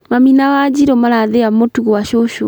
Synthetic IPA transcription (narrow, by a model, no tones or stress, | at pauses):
maminawad͡ʑiɾɔmaɾaðeamotuɣowaʃoʃo